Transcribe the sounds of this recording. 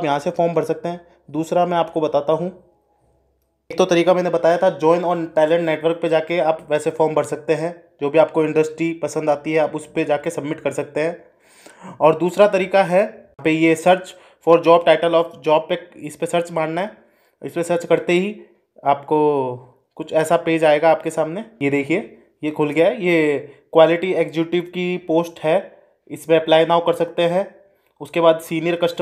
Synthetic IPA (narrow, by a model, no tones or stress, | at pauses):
pjɐɦãsefɔːɾmbɐɽsɐk̚t̪eɦɛ̃ː | d̪uːsɾamɛ̃aːp̚kobɐt̪aːt̪aɦũ | eːk̚t̪ot̪ɐɾiːkamɛ̃ːnebɐt̪aːjat̪ʰad͡ʒɔːɪnɔːɾʈɛːlɛ̃ɳʈneːʈʋəɾk̚ped͡ʒaːkeaːpʋɛːsefɔːɾmbɐɽsɐk̚t̪eɦɛ̃ː | d͡ʒoːbʱiaːp̚koɪ̃ɳɖəsʈɾipɐsə̃nd̪aːt̪iɦɛaːpʊsped͡ʒaːkesɐbmɪʈkɐɾsɐk̚t̪eɦɛ̃ː | ɔːɾd̪uːsɾat̪ɐɾiːkaɦɛpejesɐɾt͡ʃ | fɔːɾd͡ʒɔːb̚ʈaːɪʈəlɔːfd͡ʒɔːb̚peɪspesɐɾt͡ʃmãːɳnaɦɛ | ɪspesɐɾt͡ʃkɐɾt̪eɦi | aːpko | kʊt͡ʃʰɛːsapeːd͡ʒaːeːɡaːp̚kesaːmnejed̪eːkʰie | jekʰʊlɡɐjaɦɛjekwaːlɪʈieːkd͡ʒuːʈɪʋkipoːsʈɦɛ | ɪspeɐplaːɪnaːukɐɾsɐkt̪eɦɛ̃ː | ʊskebaːd̪siːnijəɾkɐsʈ